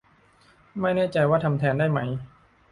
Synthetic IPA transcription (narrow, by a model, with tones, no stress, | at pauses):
ma˥˩jnɛː˥˩t͡ɕa˧jwaː˥˩t̪ʰa˧mt̪ʰɛː˧ndaː˥˩jma˦˥j